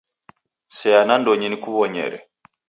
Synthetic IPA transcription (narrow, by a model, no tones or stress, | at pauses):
sɛanandoɲinikuβɔɲɛ̰ɾɛ̰